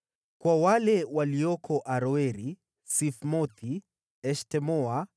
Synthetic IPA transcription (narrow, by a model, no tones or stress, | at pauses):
kwawalɛwaliɔkʰɔʔaɾɔɛɾi | sifmɔt̪ʰi | ɛʃtɛmɔa